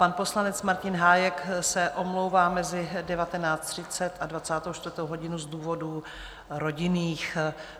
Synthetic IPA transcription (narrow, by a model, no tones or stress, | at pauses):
panpo̞slanɛt͡smaɾcɪnɦaːjɛksɛʔo̞mlowvaːmɛzɪdɛvat̪ɛnaːt͡st̪r̝̥ɪt͡sɛt̪ʔadvat͡saːt̪owʃt̪vəɾt̪owɦo̞ɟɪnuzduːvo̞du | ɾo̞ɟɪniːx